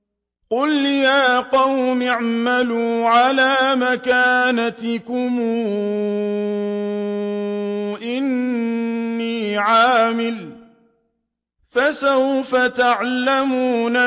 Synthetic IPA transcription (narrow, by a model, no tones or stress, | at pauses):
qʊljaːqɑwmɪʕmaluːʕalaːmakaːnat̪ɪkʊmuː | ʔɪnː | iːʕaːmɪl | fasawfat̪aʕlamuːna